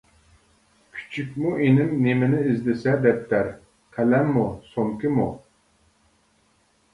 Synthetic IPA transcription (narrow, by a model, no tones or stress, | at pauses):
kʲʰy̥t͡ʃʰykʲmuʔenɪmnemɪnɪɪzd̪ɪsɛd̪ɛp̚t̪ʰæɾ | qʰælɛmːusoŋkʲimu